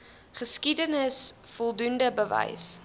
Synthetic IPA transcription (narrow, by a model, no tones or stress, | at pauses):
χəskidənəs | fɔlˠdundəbəvɛ̰js